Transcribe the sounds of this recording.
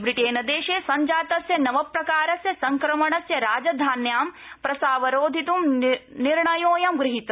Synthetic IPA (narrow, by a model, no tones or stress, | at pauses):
bɾiʈeːnɐd̪eːʃeːsɐɲd͡ʒaːt̪ɐsjɐnɐʋɐpɾɐkaːɾɐsjɐsɐŋkɾɐmɐɳɐsjɐɾaːd͡ʒɐd̪ʱaːnjaːm | pɾɐsaːʋɐɾoːd̪ʱit̪umniɾɳɐjoːjɐmɡɾɪɦit̪ɐ